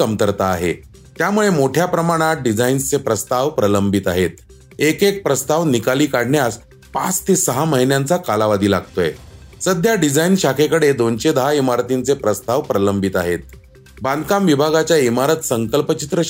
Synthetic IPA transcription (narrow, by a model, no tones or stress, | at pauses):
əmt̪əɾt̪aːɦḛ | t̪jamuɭemoʈʰjapɾəmaɽ̃aɖid͡zainst͡sepɾəst̪aʋpɾələmbʱit̪aɦet̪̚ | ekek̚pɾəst̪aʋnikaliːkaɽ̤ɳjas | pãt͡st̪esəɦaməɦinjant͡sakalaʋad̪ʱiːla̰ɡt̪ojḛsəd̪ʱjaɖid͡zainɕakʰekəɽed̪ont͡ɕed̪əɦaimaɾt̪int͡sepɾəst̪aʋpɾələmbʱit̪aɦet̪̚ | bãnd̪kamʋibʱaɡat͡ɕjaimaɾət̪səŋkəlpət͡ɕit̪ɾə